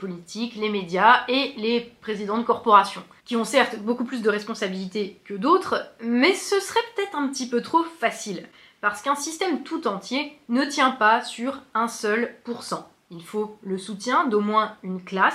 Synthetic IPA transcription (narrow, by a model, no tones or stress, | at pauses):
pɔlit̪ʰiklemed̪jaelepχezid̪ɑ̃d̪əkɔʁpɔʁasjɔ̃ | kʲiɔ̃sɛʁt̪bokuplys̬d̪əʁɛspɔ̃sabilit̪ekəd̪ot̪χmɛsəsəʁɛpø̥t̪ɛt̪χɛ̃pət̪ipøt̪χofasil | paʁsə̥kɛ̃sist̪ɛmt̪ut̪ɑ̃t̪jenət̪jɛ̃pasyʁɛ̃sœlpuʁsɑ̃ | ilfoləsut̪jɛ̃d̪omwɛ̃ynklas